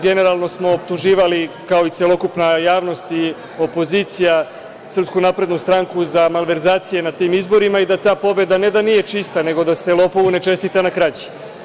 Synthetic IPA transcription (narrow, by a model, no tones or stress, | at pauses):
ɡe̞ne̞ɾalˠno̞smo̞ːpt̪uʒiːʋalikao̞it̪selˠo̞kupnajaːʋno̞st̪i | o̞po̞zit̪sija | sr̩pskunapɾe̞d̪nust̪ɾaŋkuzamalʋe̞ɾzaːt̪sije̞nat̪iːmizbo̞ɾimaid̪at̪aːpo̞be̞d̪ane̞d̪anije̞t͡ʃist̪ane̞ɡo̞d̪ase̞lo̞ːpo̞ʋune̞t͡ʃe̞st̪it̪anakɾat͡ɕi̥